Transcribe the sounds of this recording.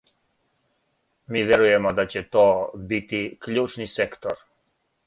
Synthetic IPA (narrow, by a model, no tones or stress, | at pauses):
mivɛɾujɛmad̪at͡ɕɛt̪ɔbit̪iklut͡ʃnisɛkt̪ɔɾ